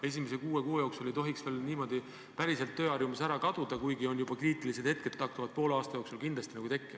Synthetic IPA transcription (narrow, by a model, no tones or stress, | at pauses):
e̞s̬ʲimesekuːekoːjo̞ːksulejt̪o̞ɦiksveːlniːmo̞d̪̥i | pæɾise̞lt̪ːø̞ːɑrjumɑsæɾɑkɑd̪̥ud̪̥ɑkujɡio̞njub̥ɑkriːt̪ˑilis̬ed̪he̞t̪̚ket̪ːɑh̚t̪uvɑd̪̥̚po̞ːleɑːst̪ɑjo̞ːksulkind̪lɑst̪inɑɡut̪e̞kːi